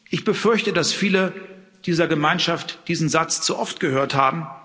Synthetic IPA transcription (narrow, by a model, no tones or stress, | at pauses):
ʔɪçb̥əfʏɐçtədasfiːlə | d̥iːzɐɡəmaɪnʃaftd̥iːzn̩zat͡st͡suʔɔftɡ̥əhøːɐthaːbm̩